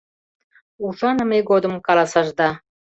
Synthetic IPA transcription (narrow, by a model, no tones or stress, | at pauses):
uʒɑnə̆meɡod̪ə̆mkɑlɑsɑʒd̪ɑ